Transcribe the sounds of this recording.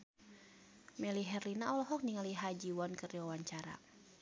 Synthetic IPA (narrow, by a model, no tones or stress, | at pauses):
mɛliɦɛrlinaɔlɔɦɔk̚niŋaliɦad͡ʒiwɔnkəriwawaɲt͡ʃaɾa̰